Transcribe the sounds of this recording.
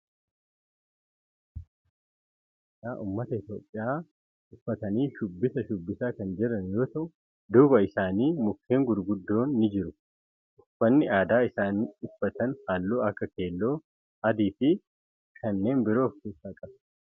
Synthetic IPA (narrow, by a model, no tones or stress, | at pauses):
aːʔuːmːɐt̪ɐɪt̪jo̞ːpʼːɪjaː | ʔʊfːɐt̪ɐniːʃʊbːɪsɐʃʊbːɪsaːkɐnd͡ʒɛɾɐnjo̞ːt̪ɐʔʊ | d̪uːbɐɪsaːniːmʊkːe̞ːŋɡʊɾɡʊd̪ːo̞ːnːɪd͡ʒɪɾʊ | ʔʊfːɐnːɪaːd̪aːɪsaːniːʊfːɐt̪ɐnhaːlːoːɐkːɐke̞ːlːo̞ː | ɐd̪iːfɪ | kʰɐnːe̞ːnbɪɾo̞ːfkeːsaːkʼɐb